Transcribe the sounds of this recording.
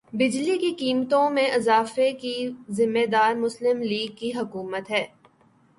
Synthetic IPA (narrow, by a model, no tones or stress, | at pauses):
bɪd͡ʒlikikiːmt̪õmẽʔɐzaːfekizɪmːed̪aːɾmʊslɪmliːɡ̚kːiɦɐkuːmət̪ɦɛː